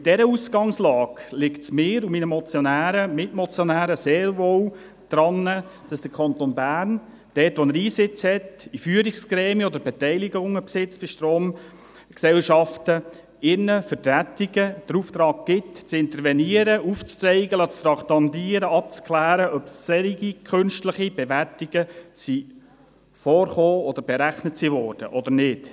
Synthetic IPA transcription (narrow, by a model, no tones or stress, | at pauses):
id̥ɛɾəusɡ̥ɑŋslɑːɡ̥lɪktsmɪːɾuminəmɔt͡sjonæːɾəmɪtmɔt͡sjɔnæːɾəseːɾʋow | d̪̥ɾɑnːə | d̥ɑsd̥əɾkʰɑnt̪onbæːɾn | d̥ɛːtʋɔnəɾiːsɪt͡shɛtifyːəɾiksɡɾɛːmiəɔd̪əɾbɛtɛɪliɡʊŋəpsɪt͡sb̥ɪʃtɾoːm | ksɛlʃɑftə | ɪnːəfətæt̪iɡəd̥əɾuːft̪ɾɑːɡ̚ɡ̥ɪtt͡sɪnt̪əɾvɛniəɾəuft͡st͡sɛɪɡəlɑt͡st̪ɾɑkt̪ɑnd̪iːəɾəɑp̚t͡sklæːɾəʔœpssɛɾiɡikʰχʏnʃtləχib̥ɛʋærtiɡ̥əsi | fɔːrχoːɔd̪əɾbɛɾæχnətsivɔːrd̥ə̰ʔɔd̪əɾnɪt